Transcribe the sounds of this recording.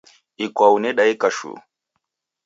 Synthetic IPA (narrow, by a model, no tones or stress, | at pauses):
ikwaunɛɗaikaʃṵ